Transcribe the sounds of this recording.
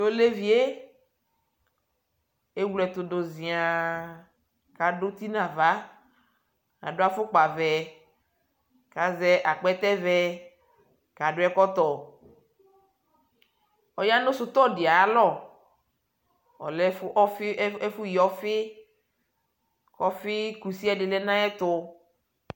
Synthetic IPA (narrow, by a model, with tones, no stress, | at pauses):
o˦le˦vi˨e˦ | e˦wu˦lɛ˨t̪o˨do˨zĩ˨a˨ | ka˨ɖo˦t̪i˦nã˨va˦ | a̰˨ɖo˦a˦fo˦k͡pa˨vɛ˨ | ka˨zɛ˦ʔa˨k͡pɛ˦t̪ɛ˦vɛ˦ | ka˨ɖʊ˦ɛ˦kɔ˦t̪ɔ˨ | ɔ˨ja˦nʊ̃˦sʊ˦t̪ɔ˦˨dɪ˨a˨a˦lɔ˦˨ | ɔ̰˨lɛ˦fɛ˦fʊ˦ji˨ɔ˦fɪ˦ | kɔ˦fɪ˦ku˨si˦a˦ɖɪ˨lɛ˦nã˦ɛ˦t̪ʊ˦